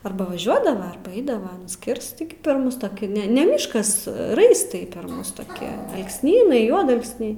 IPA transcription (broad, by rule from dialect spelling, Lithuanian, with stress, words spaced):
ɐrbɐ ʋɐˈʒʲuɔdɐʋɐ ɐrbɐ ˈɐɪdɐʋɐ ɐˈnɐs ˈkʲɪrst tʲɪɡʲɪ pʲɛr ˈmʊs toːˈkʲɪ ˈnʲɛ nʲɛ ˈmʲɪʃkɐs ˈrɐɪstɐɪ pʲɛr ˈmʊs toːˈkʲɪ ɐlˠksʲˈnʲiːnɐɪ ˈjuɔdɐlˠksʲnʲɛɪ